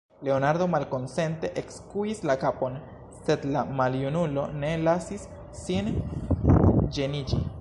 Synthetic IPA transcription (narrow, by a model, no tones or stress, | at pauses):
le̞o̞naɾd̪o̞malko̞nse̞nte̞ʔekskuislakapo̞n | se̞d̪lamaljunulo̞ne̞lasisː | in | d͡ʒe̞nid͡ʒḭ